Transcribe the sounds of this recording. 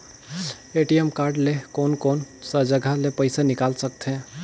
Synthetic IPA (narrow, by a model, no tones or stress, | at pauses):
eʈiemkaɾɖlekonkonsəd͡ʒəɡʱalepəɪsanikalsək̚t̪ʰɛ̃